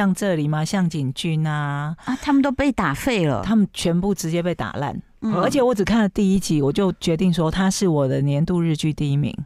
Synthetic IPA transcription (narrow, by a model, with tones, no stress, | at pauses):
ɑ˥˧ŋʈ͡ʂɤ˥˨˩li˨˩mɐ˨˩ɕjɑ˥˩ŋt͡ɕi˨˩ŋt͡ɕy˥˩na˨˧t̪ʰa˥mə˨nt̪o˥ʊpe˥˩ɪt̪a˨˩fe˥˩ɪlə̰˨˩˨t̪ʰa˦˥mə˨nt͡ɕʰɥɛ˧˥npu˥˩ʈ͡ʂɻ̩˧˥t͡ɕjɛ˥p̬e˥˩ɪt̪a̰˨˩la̰˥˩n | ə˞˧˥t͡ɕʰjɛ˨˩wɔ˧˥ʈ͡ʂ̩˨˩kʰa˥˩nlə˨˩t̪i˥˧i˥t͡ɕi˧˥wɔ˨˩t͡ɕjo˥˩ʊt͡ɕɥɛ˧˥t̪̬i˥˩ŋʂwɔ˥t̪ʰa˥ʂɻ̩˥˩wɔ˨˩d̪ə˦njɛ˧˥nt̪u˥˧ɻɻ̩˥˧t͡ɕy˥˧t̪i˥˧˩i˥mḭ˧˦ŋ